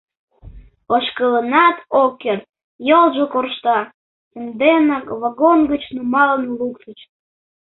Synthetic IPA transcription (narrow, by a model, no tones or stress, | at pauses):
oʃkələnɑt̪okːert̪̚ | jolʒokorʃt̪ɑ | t͡sənd̪enɑkβɑɣonɡət͡ɕnumɑlənluksət͡ɕ